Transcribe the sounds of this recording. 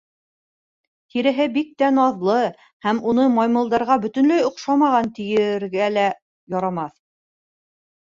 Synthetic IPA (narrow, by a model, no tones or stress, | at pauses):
t̪iɾɘ̆ɦɘbik̚t̪ænɑðlˠɤ | hæmunɤmɑjmɤ̆lˠd̪ɑɾʁɑbɵ̆t̪ɵ̆nlæjŏqʃɑmɑʁɑnt̪ɘ̆jɘ̆ɾɡælæ | jɑɾɑmɑθ